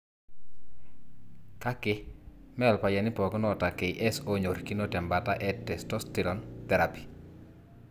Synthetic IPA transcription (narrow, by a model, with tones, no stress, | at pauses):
ka˦kɪ˦ | mɛ˦˨lpa˨ja˨nɪ˦pɔ˨ɡnɔ˦˨ta˨ke˨iʔɛ˦so˦ɲo˨ɾki˦no˦tɛ˨mba˨ta˦ʔɛ˦tɛ˨stɔ˦sti˨ɾɔ˨nt̪ɛ˨ɾa˨pi̥˨